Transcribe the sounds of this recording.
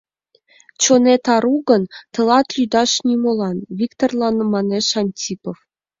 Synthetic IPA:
t͡ɕonʲet̪ɑɾuɡɤ̆nt̪ɤ̆lˠɑt̪lʲyd̪ɑʂnʲimolˠɑnvʲikt̪orlˠɑnɤ̆mɑnʲeʂɑnʲtʲipof

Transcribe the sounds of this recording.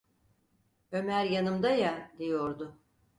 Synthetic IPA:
ø̞mæɾjanɯmd̪ajad̪ijo̞ɾd̪ʊ

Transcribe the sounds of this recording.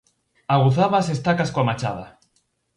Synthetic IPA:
aɣ̞uθaβasest̪akaskoamat͡ʃa̰ða̰

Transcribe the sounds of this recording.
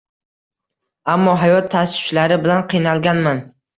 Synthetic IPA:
amːɒɦajɒt̪ʰːasʊ̥t͡ʃlaɾɪbɪlanqʰijnalˠɡʲanman

